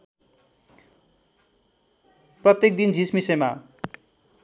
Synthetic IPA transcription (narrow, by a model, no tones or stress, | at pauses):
prʌt̪jek̚d̪ind͡zʱismisema